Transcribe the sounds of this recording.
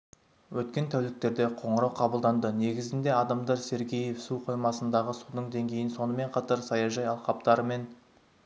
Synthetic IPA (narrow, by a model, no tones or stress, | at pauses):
wɵt̪̚kʲe̞nt̪ʰæwlɪk̚t̪e̞ɾd̪e̞qʰo̞ɴəɾɑwqʰɑbəlˠd̪ɑnd̪əne̞ɡʲɪzɪnd̪e̞ɑd̪ɑmd̪ɑɾse̞ɾɡʲeje̞fsuqʰo̞jmɑsənd̪ɑʁəsud̪əɴd̪e̞ŋɡʲe̞jɪnso̞nəme̞ɴqʰɑt̪ɑɾsɑjɑʒɑjɑlˠqɑp̚t̪ɑɾəme̞n